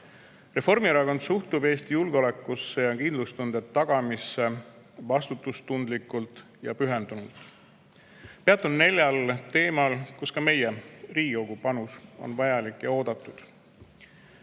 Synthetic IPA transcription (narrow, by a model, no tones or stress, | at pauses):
re̞fo̞rmiɾɑkond̪suht̪ub̥e̞ːst̪ijulɡ̥eo̞le̞kːˑusːe̞jɑkind̪lust̪und̪̥et̪ːɑɡ̥ɑmisːe̞ | vɑst̪ut̪ːˑust̪und̪likːˑult̪ˑ | jɑ̰pyɦe̞nd̪̥unult̪ˑ | peɑt̪ːˑunne̞lʲjɑlt̪e̞ːmɑlkuskɑme̞jeriːɡikoɡ̥upɑnuso̞̰nvɑjɑlikːjɑo̞ːd̪̥ɑt̪ːˑud̪̥